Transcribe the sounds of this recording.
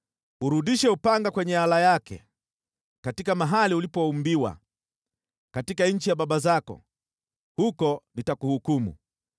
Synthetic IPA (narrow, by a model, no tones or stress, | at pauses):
uɾuɗiʃɛupaŋɡakwɛɲɛalajakɛ̰ | katikamaɦaliulipɔumbiwa̰ | katikaɲ̩t͡ʃijaɓaɓazakɔ̰ | hukɔnitakuhukumṵ